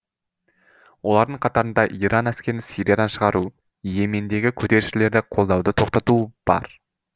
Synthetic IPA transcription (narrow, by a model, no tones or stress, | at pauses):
wo̞lˠɑɾd̪əɴqʰɑt̪ɑɾənd̪ɑʔiɾɑnæskʲe̞ɾɪnsijɾʲijad̪ɑnʃəʁɑɾu | je̞me̞nd̪e̞ɡʲɪkʲʰɵt̪e̞ɾɪʃɪle̞ɾd̪ɪqʰo̞lˠd̪ɑwd̪ət̪ʰo̞qt̪ɑt̪ub̥ɑ̰ɾ